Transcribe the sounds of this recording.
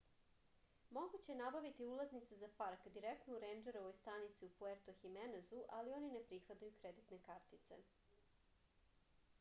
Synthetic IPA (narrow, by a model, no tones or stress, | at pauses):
mo̞ɡut͡ɕenabaʋit̪iulˠaznit̪sezapaɾkd̪iɾekt̪nouɾend͡ʒeɾoʋojst̪anit̪siupueɾt̪oximenezuʔalio̞nine̞pɾixʋat̪ajukɾed̪it̪ne̞kaɾt̪it̪sḛ